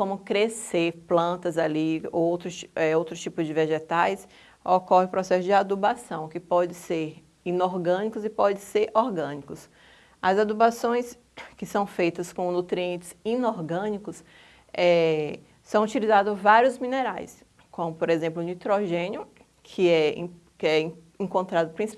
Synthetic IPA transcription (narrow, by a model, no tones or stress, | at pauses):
kõmʊkɾeseɾplɐ̃nt̪ɐzaliowt̪ɾʊsɛowt̪ɾʊt͡ʃipʊzd͡ʒɪveʒet̪ajs | okɔhɪupɾɔsɛsʊd͡ʒɪad̪ubasɐ̃w̃kɪpɔd͡ʒɪ̃seɾ | inoɾɡɐ̃nikʊzɪpɔd͡ʒɪ̃seɾɔɾɡɐ̃nikʊs | ɐzad̪ubasõj̃s | kɪsɐ̃w̃fejt̪ɐskõnut̪ɾiẽnt͡ʃɪz̥inoɾɡɐ̃nikʊs | ɛ | sɐ̃w̃ut͡ʃilizad̪ʊzvaɾjʊzmĩneɾajs | kõmʊpoɾezẽmplʊnit̪ɾoʒẽnjʊ | kʰɪɛ̃ | kɛ | ẽŋkõnt̪ɾad̪ʊpɾĩs